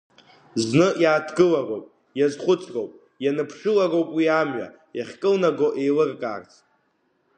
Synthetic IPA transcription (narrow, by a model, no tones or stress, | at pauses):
znɨjaːtʰɡɨlarowpʼ | jazχʷʊt͡sʰrowpʼ | janɨpʰʂɨlarowpʼwiamɥa̰ | jaχʲkʼɨlnaɡoʔe̞jlɨrkʼa̰ːrt͡sʰʼ